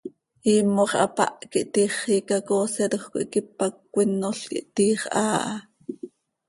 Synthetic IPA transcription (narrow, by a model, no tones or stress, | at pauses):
iːmːoχʔɑ̰pa̰ʔkiʔt̪iːχiːkakoːsɛɾoχko̰ʔikip̚akːʷinːoɬkḭʔt̪iːχʔaːʔɑ